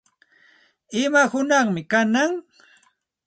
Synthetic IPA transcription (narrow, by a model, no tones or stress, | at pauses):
ɪmahʊnɑχmɪkanaŋ